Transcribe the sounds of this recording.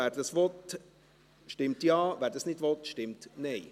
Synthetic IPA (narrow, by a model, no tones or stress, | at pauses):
æːɾd̥̪ɑsʋɔt̪ | ʃtɪmt̪jɑːʋæːɾd̥̪əsnɪd̥ʋɔt̪ʃtɪmt̪nɛɪ